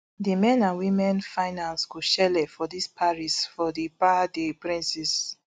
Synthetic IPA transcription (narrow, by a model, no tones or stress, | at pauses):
dimɛ̃nãnwĩmɛ̃nfaɪnãnsɡuʃɛlɛfɔdispʰaɹisfɔdipadepɹĩnsɛs